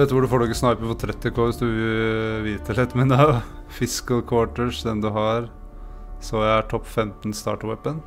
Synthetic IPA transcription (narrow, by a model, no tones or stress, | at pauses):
ʋɛt̪əʋʊɖʉfoːɖɔɡəsnɑɪpəfɔt̪ʰɾɛt̪ːɛkʰoːʋɪsd̪ʉɪʋiːt̪ʰəlɪt̪ːmɛnɑfɪskəlkʰwoːʈəʂd̪ɛnd̪ʉɦɑɾ | sɔjææʈʰɔpːfɛmt̪nst̪ɑ̰ːʈwɛpːən